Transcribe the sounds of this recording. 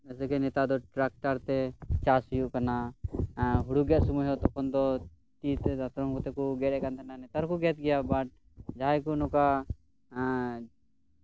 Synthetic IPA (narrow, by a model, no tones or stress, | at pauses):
ɛsɛkɛnɛt̪ad̪ɔʈɾak̚ʈaɾt̪ɛt͡ʃasjuʔkana | ɦuɽuɡɛt̪̚sumuɦɛt̪ɔkʰɔnd̪ɔ | t͡ʃ̪it̪d̪at̪ɾɔŋkɔt̪ɛkuɡɛtɛkant̪ʰɛnanɛt̪aɾɔkuɡɛt̪̚ɡɛjabaʈ̚ | d͡ʒaɦajkunɔka